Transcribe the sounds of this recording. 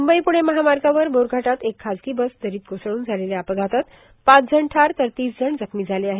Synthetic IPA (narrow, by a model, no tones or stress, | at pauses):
mumbəipuɽ̃eməɦamaɾɡaʋəɾboɾɡʱaʈat̪ekʰːad͡zkibəsd̪əɾiːt̪̚ɡosɭuːnd͡zʱaleljapəɡʱat̪at̪ | pãt͡sd͡zʱəɳʈʰaɾt̪əɾt̪iːsd͡zʱəɳd͡zəkʰmiːd͡zʱaleaɦe